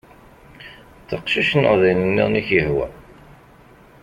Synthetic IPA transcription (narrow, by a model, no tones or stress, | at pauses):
θəqʃiʃnə̰ʁðˤilənːḭʁniçəhwæ̰